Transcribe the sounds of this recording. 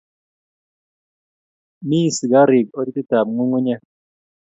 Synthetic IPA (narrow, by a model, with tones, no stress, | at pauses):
mi˦˨si˨ɡa˦ɾi˨k̚o˦di˦ti˦ta˨mŋu˦ŋu˦ɲa˦